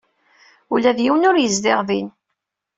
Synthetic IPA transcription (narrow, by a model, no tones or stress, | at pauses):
ulːæðjiwnʊɾjəzd̪ɪʁðin